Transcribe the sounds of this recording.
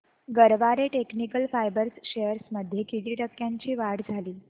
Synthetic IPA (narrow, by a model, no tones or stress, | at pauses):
ɡəɾʋaɾeʈeknikəlfajbəɾsʃejəɾsməd̪ʱːjekid̪iʈəkjãɲt͡ɕiːʋaɽd͡zʱaliː